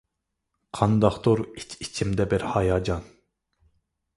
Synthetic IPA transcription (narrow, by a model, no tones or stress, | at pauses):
qʰɑnd̪ɑχt̪oɾit͡ʃʰit͡ʃʰimd̪ɛbɪɾhɑjɑːd͡ʒɑn